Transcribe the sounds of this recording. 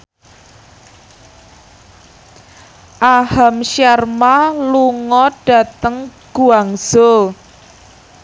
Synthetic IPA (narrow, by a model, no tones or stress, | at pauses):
ʔahamʃjarmaluŋɔɖ̥ä̤t̪əŋɡ̥uaŋz̥o